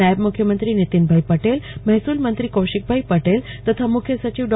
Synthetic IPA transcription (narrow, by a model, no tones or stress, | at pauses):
ajbmukʰjəmənt̪ɾinit̪inbʱajpəʈelmɛɦsuːlmənt̪ɾiːkowɕik̚bʱajpəʈel | t̪ɐt̪ʰamukʰjəsət͡ɕiʋɖ